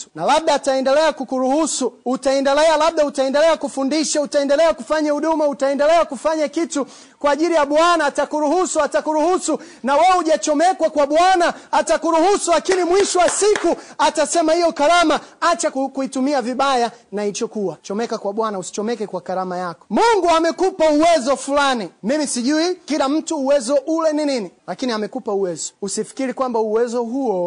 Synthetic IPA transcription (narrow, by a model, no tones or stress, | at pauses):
nalaɓ̚ɗaːtaɛndɛlɛakukuɾuhusuːtaɛndɛlɛalaɓ̚ɗautaɛndɛlɛakufundiʃautaɛndɛlɛakufaɲahuɗumautaɛndɛlɛakufaɲakitu | kwaːʄilijaɓwanaːtakuɾuhusuatakuɾuhusu | nawɛuʄat͡ʃɔmɛkwakwaɓwanaːtakuɾuhusulakinimwiʃɔwasikuatasɛmahijɔkaɾamaat͡ʃakkuitumiaviɓajanait͡ʃɔkuwat͡ʃɔmɛkakwaɓwanausi̥t͡ʃɔmɛkɛkwakaɾamajakɔ̥muŋɡuamɛkupauwɛzɔfulanimimisiʄuikilam̩tuːwɛzɔʔulɛnininilakiniamɛkupauwɛzɔ̥usifi̥kiɾikwambauwɛzɔɦuɔ